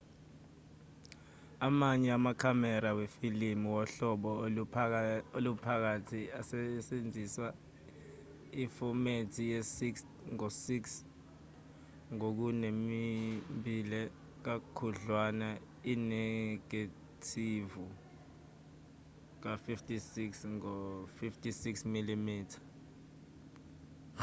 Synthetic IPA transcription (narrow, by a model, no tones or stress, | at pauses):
amaɲɛamakʰamɛɾawefilimiwɔɬɔɓɔ | olupʰak̬atʰiasɛsend͡zʱiswa | ifɔmetʰijɛsiks | ŋɔsiks | ŋok̬unemimbilɛ | k̬akʰuɮwana | inɛɡ̥a | tʰivu | k̬afiftʰʼisiksŋɔfiftʰʼisiksmilimiːtʰḁ